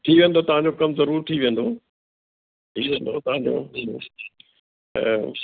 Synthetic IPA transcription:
ʈʰiːʋẽːn̆d̪ot̪ɐʋ̤ãɲd͡ʑoːkɐmzɐɾuːɾt̪ʰiːʋẽːnd̪oː | ʈʰiːʋẽːn̆d̪ot̪ɐʋãːɲd͡ʑo̰ːɦ

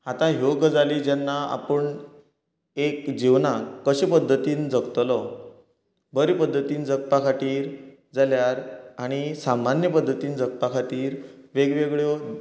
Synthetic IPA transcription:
at̪ãjoɡəd͡zaliːd͡ʑanːaa̰pəɳ | ekd͡ʑiʋnakəɕepəd̪ʱːət̪iːnd͡zəkt̪lɔ | bəɾipəd̪ʱːət̪iːnd͡zək̚pakʰaʈiːɾ | d͡zaljaɾaɽ̃isamanjəpəd̪ʱːət̪iːnd͡zək̚pakʰaʈiːɾ | ʋeɡʋeɡɭjo

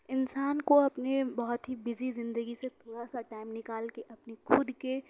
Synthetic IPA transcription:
ɪnsaːnkoɐpnebɐɦɔt̪ɦibɪzizɪ̃nd̪əɡiset̪ʰoːɽasaʈaːɪmnɪkaːlkeʔɐpnexʰʊd̪ke

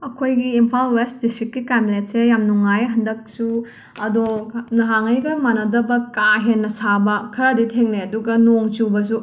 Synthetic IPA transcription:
ɐkʰojɡiːmpʰalwest̚distɾikːikamilet̚sejamnuŋajɦɐndɐk̚su | ɐdonɐɦaŋɐjɡɐmanɐdɐbɐkaɦenːɐsabɐkʰɐɾɐditʰeŋneɐduɡɐnoŋt͡ʃubɐs̬u

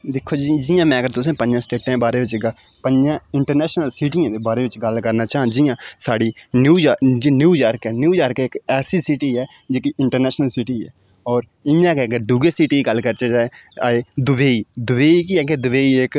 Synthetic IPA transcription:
d̪ɪkʰːoːd͡ʒid͡ʒɪjãːmɛ̃ːəɡəɾt̪ʊs̬ẽːpə̃ɲd͡ʒãːsʈeːʈãːbaːɾeːʋɪt͡ʃɡ | pəɲd͡ʒãːɪɳʈəɾnɛːʃnəlsiːʈiãːd̪eːbaːɾeːʋɪt͡ʃɡəlkəɾnaːt͡ʃãːd͡ʒɪjãːsaːɽiːnjuːjaːd͡ʒiːnjuːjaːɾkɛːnjuːjaːɾkːɪkɛːsiːsiːʈiːɛːd͡ʒeːkiːʔɪɳʈəɾnɛːʃnəlsiːʈiːɛ̰ː | ɔːɾ | ɪjãːkeəɡəɾd̪uɡeːsiːʈiːɡəlkəɾt͡ʃeːd͡ʒaːea̰ːeːd̪ʊʋeːiːd̪ʊʋeːiːkiɛːked̪ʊʋeːiːek

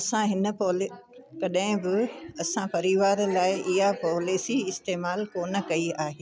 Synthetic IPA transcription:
ɐsãɦɪnə̆pɔːlkɐɗɦɪ̃bɪɐsãpɐɾiʋaːɾlaːɪʔɪɦapɔːliːsiɪst̪eːmaːlkoːnə̆kɐiaːɦeː

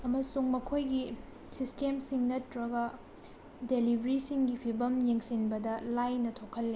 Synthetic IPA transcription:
ɐmɐsuŋmɐkʰojɡi | sistemsiŋnɐtːɾɐɡɐ | delibʱɐɾisiŋɡipʰibɐmjeŋsinbɐdɐlajnɐtʰokʰːɐlːe

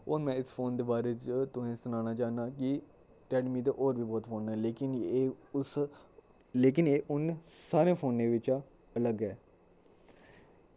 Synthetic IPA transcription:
oːmɛ̃ːɪspʰoːnd̪eːbaːɾeːt͡ʃt̪ʊsẽːsʊnaːnaːt͡ʃaːnaːkɪ | ʈɛːɖmiːt̪eːʔoːɾbiːbɔːt̪fʰoːnɛːleːkɪnːʊs | leːk̬ɪneːʔʊnsaːɾẽːpʰoːnẽːʋɪt͡ʃa | ələɡɛː

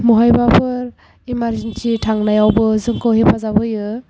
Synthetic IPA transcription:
muɦajbapʰɯɾ | imaɾzensitʰaŋnajawbɯzɯŋkʰɯwɦepʰazabɯjɯ

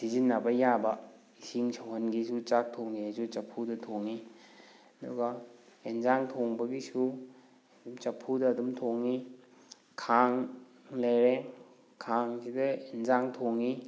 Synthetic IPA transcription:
sizinːɐbɐjabɐ | isiŋsʰɐwɦɐnɡisut͡ʃak̚tʰoŋiajsut͡ʃɐpʰːudɐtʰoŋi | ɐdṵɡɐ | enzaŋtʰoŋbɐbisu | dumt͡ʃɐpʰːudɐːdumtʰoŋi | kʰaŋ | lɐjɾe | kʰaŋsidɐenzaŋtʰoŋi

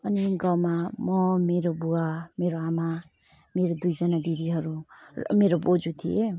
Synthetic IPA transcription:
ʌniɡawmamʌmeɾobuameɾoama | meɾod̪ujd͡zʌnad̪id̪iɦʌɾumeɾobod͡zut̪ʰie

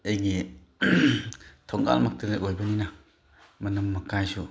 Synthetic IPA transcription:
ejɡi | t̪ʰɔŋɡa̰lmak̚tɯneʔojbɐnina | mɐnɐmːɐkajsu

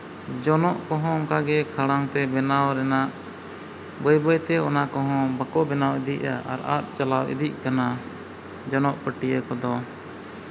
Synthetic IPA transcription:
d͡ʒɔnɔʔkɔɦɔ̃ɔŋkaɡɛkʰaɽaŋt̪ɛbɛnawɾɛnaʔ | bəjbəjt̪ɛɔnakɔɦɔ̃bakɔbɛnawid̪iʔ̚a̰a̰ɾa̰t̪̚t͡ʃalawḭd̪ic̚ˀkana | d͡ʒɔnɔʔpəʈijəkɔd̪ɔ

